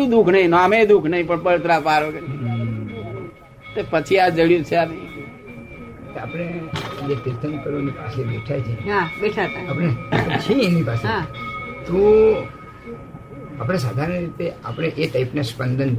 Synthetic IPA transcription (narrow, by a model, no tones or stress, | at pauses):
ũd̪ukʰnəĩnamed̪ukʰnəɦĩpəɳpəɭt̪ɾapaɾoken | t̪opət͡ʃʰiad͡ʒəɽjũt͡ʃʰeami | tapɽ̃ed͡ʒet̪iɾt̪ʰənkəɾʋanipa̰sebeʈʰajt͡ʃʰeɦãbeʈʰat̪aapəɽet̪t͡ʃʰeẽnipasẽ | t̪o | apɽ̃es̬aːd̪ʱaɾənɾit̪ea̰pɽ̃eʔeʈaipnaspənd̪ʱən